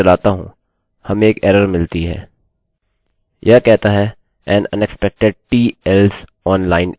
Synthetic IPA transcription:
ɐlaːt̪aɦũ | hɐmeːkɛːɾəɾmɪlt̪iɦɛ̰ː | jʔɐkɛɦt̪aɦɛ | ɛ̃ːnɐ̰̃nɛkspɛk̚ʈeɖ̚ʈiːɛls | ɔːnlaːɪn

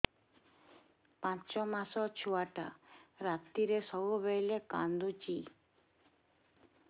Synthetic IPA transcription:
pãt͡ʃɔmãsɔt͡ʃʰuaʈa̰ɾat̪ːiɾesɔʋuʋelekã̰nd̪ut͡ʃi

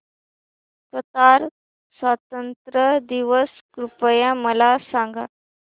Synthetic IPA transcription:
sət̪aɾ | sʋat̪ənt̪ɾəd̪iʋəs | kɾupəjãməlasãŋɡa̰

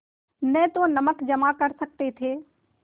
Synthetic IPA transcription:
nɛ̃t̪onɐməkd͡ʒɐmakɐɾsɐk̚t̪et̪ʰeː

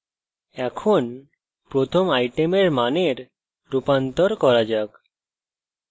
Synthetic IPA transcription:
ɛkʰon | pɾot̪ʰomajʈemeɾmaneɾː | upant̪oɾkɔɾad͡ʑak

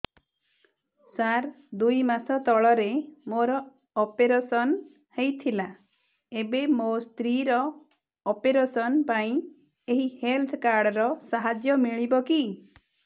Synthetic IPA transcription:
saɾ | d̪ujmasɔt̪ɔɭɔɾemoɾɔː | peɾesɔn | hejt̪ʰila | ebemost̪ɾiɾɔː | peɾesɔnpaĩ | eɦihelt̪ʰkaɾɽɔɾɔsaɦad͡ʒjɔmiɭibɔki

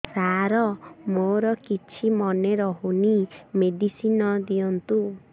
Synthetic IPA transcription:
saɾɔmoɾɔkit͡ʃʰimɔneɾɔɦunimed̪isinɔd̪ijɔnt̪u

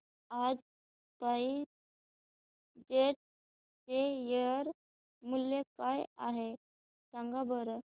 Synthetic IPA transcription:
ad͡z | pai | d͡ʑeʈ̚ | t͡ɕejəɾ | mulːekajaɦe | saŋɡabəɾə

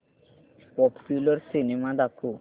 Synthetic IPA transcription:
pɔppulɔɾsinemad̪aku

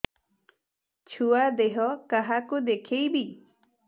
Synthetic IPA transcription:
t͡ʃʰuad̪eɦɔkaɦakud̪ekʰejbi

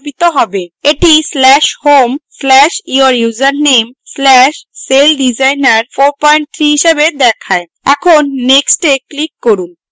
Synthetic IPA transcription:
pit̪oɦɔbeeʈislɛʃhomslɛʃiaɾjuzaɾnemslɛʃselɖid͡ʑajnaɾfoɾpɔjɳʈ̚t̪ʰɾiɦiʃebed̪ɛkʰae | ɛ̰kʰonːeksʈeklikːoɾun

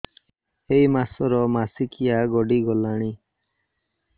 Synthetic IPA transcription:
eimasɔɾɔmasikijaɡɔɖiɡɔlaɽ̃i

